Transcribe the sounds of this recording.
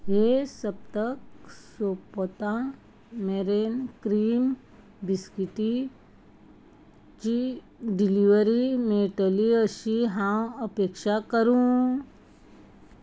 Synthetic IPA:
ɦesəp̚t̪əksopot̪ã | meɾenkɾiːm | biskiʈi | t͡ɕi | ɖiliʋəɾimeʈəliəɕiɦãwəpekʂakəɾũ

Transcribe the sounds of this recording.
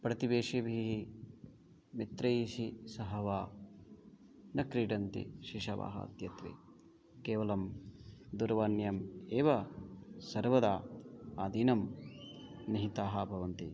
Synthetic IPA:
pɾɐt̪ibeːʂebʱiɦi | mit̪ɾɐisisɐɦɐʋaː | nɐkɾiːʈɐnt̪ḭʃiʂɐʋa̰ːɦɐ̰ɐ̰d̪jɐt̪ʋḛː | keːʋɐlɐmd̪uɾʋaːnjɐmeːʋɐsɐɾʋɐd̪aːaːd̪ʱiːnɐm | niɦit̪aːɦɐbʱɐʋɐnt̪ḭ

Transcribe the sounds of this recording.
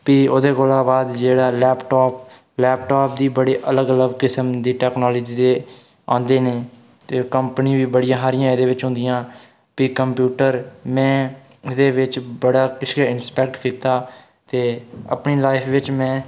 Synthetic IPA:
piːoːd̪eːkoːlãːbaːd̪d͡ʒeːɽaːlɛːpʈɔːp̚ | lɛːpʈɔːp̚d̪iːbəɽiːʔələɡələɡkɪsəmd̪iːʈɛːknɔːlːd͡ʒiːt̪eː | ã̰ːnd̪eːneː | t̪eːkəmpniʋiːbəɽɪjãːɦaːɾɪjãːed̪eːʋɪt͡ʃɦʊ̃nd̪ɪjãː | piːkəmpjuːʈəɾmɛ̃ː | ɪd̪eːʋɪt͡ʃbəɽaːkɪʃkaɪnspɛːk̚ʈkʰɪk̚t̪aː | t̪eːə̰pniːlaːɪfʰʋɪt͡ʃmɛ̃ː

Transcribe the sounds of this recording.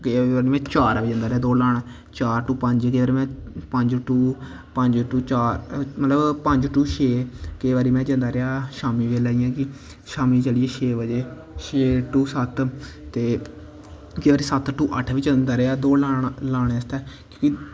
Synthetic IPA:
keaːɾiːmɛ̃ːt͡ʃaːɾʋiːd͡ʒə̃nd̪aːɾeaːd̪oːlaːɳ | t͡ʃaːɾʈuːpəɲd͡ʒkəːʋaːɾiːmɛ̃ːpəɲd͡ʒʈuː | pəɲd͡ʒʈuːt͡ʃaːɾmət̪ləbpə̃ɲd͡ʒʈuːʃeːkeːʋaːɾiːmɛ̃ːd͡ʒə̃nd̪aːɾɪaːʃaːmiːʋeːlaːijãːkɪ | ʃaːmiːt͡ʃəlieːʃʰeːʋəd͡ʒeː | ʃeːʈuːsət̪t̪eː | keːaːɾiːsət̪ʈuːʔəʈʰʋiːt͡ʃənd̪aːɾeaːd̪oːlalaːɽeəst̪ɛːkjõːki

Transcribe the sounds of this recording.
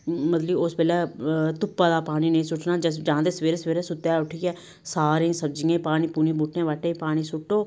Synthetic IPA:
mət̪liospɛːlɛːt̪ʊpːaːd̪aːpaːniːnəĩːsʊʈʰnaːd͡ʒəd͡ʒãːd̪eːsəʋeːɾeːsəʋeːɾeːsʊt̪ːaːʊʈʰiːɛː | saːɾẽːsəbd͡ʒiːãːpaːniːpuːnĩːbuːʈʰnẽːʋaʈːẽːpaːñiːsʊʈːoː

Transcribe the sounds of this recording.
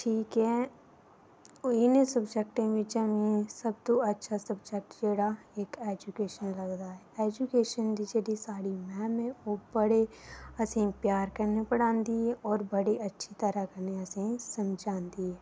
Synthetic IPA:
ʈʰiːkɦɛ | ɪnesəbd͡ʒɛk̚ʈẽbit͡ʃəmĩsɐb̚t̪oɐtːʃʰasɐbd͡ʒɛk̚ʈd͡ʒeːɽa | eːkeːd͡ʒukeːʃənlɐɡd̪aɦɛeːd͡ʒukeːʃənd̪id͡ʒed̪isaːɽimɛ̃ːmẽoːbəɽeɐsẽpjaːɾkɐɾnepəɽãːnd̪ieɔːɾbɐɽeʔɐtːʃʰit̪ɐɾakɐɾneɐsĩsɐ̃md͡ʒʱaːnd̪ieː

